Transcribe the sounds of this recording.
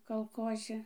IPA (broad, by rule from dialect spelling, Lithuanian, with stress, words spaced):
kɐlˠˈkoːzʲɪ